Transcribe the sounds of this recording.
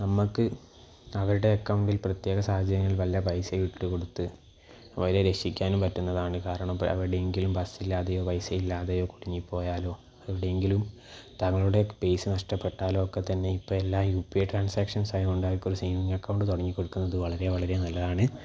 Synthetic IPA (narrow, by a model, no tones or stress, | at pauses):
nɐmːukːɨ | ɐʋɐɾuɽe̞ɐkːɐwuɳɖilprɐt̪je̞ːɣɐsaːhɐd̪ʱjɐɾɐŋːɐɭiɭʋɐljɐbɐjsɐʋiʈːɨko̞ɽut̪ːɨ | ʋɐɾeɾe̞ʂikʲːaːnumpɐtːunːɐðaːɳɨkaːɾɐɳɐmɐ̰ʋɐɾɽeŋɡilumbɐsilːaːðejo̞ːbɐjsɐjilːaːðejo̞ːkuɽiɲːipːo̞ːjaːlo̞ː | ɐʋiɽeeŋɡilum | t̪ɐŋːɐɭuɽe̞be̞jsɨnɐʂʈɐpːe̞ʈːaːlo̞ːkːe̞t̪ːɐnːe̞ipːoːelːaːjuːpːieʈraːnsaːkʂɐnsaːjiuɳɖaːjikːoɾusiːmiŋɡɐkːɐwɳɖɨt̪uɽɐɲːikːo̞ɽukːunːɐðɨʋɐɭɐɾe̞ʋɐɭɐɾenɐlːɐðaːɳɨ